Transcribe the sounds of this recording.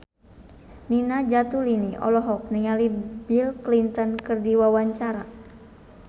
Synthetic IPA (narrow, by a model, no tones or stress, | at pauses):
ninad͡ʒat̪uliniʔɔ̰lɔɦɔk̚niŋalibilklint̪ɔnkɨrdiwawaɲt͡ʃaɾa